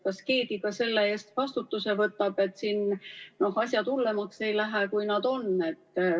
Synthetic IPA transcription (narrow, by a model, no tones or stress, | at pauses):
kɑske̞ːd̪̥iɡ̥ɑse̞lːeeːst̪vɑst̪ut̪ːuse̞vɤt̪ːˑɑb̥e̞t̪ːˑsinno̞hɑsʲjɑt̪ulːe̞mɑkse̞jlæɦekujnɑd̪̥o̞ne̞t̪ːˑ